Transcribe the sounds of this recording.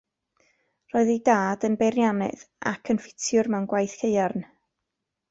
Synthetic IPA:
rɔːɨðidaːdənbɛɾjanɨ̰ða̰kʰənfɪ̥tʰjʊrmɛwnɡwajθhʰejarn

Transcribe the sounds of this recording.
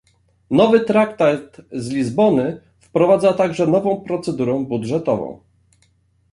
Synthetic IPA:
nɔvɘt̪ɾakt̪at̪zlʲizbɔnɘ | fpɾɔvad̪zat̪aɡʐɛnɔvɔ̃w̃pɾɔt̪sɛd̪uɾɛ̃budʐɛt̪ɔvɔ̰̃w̃

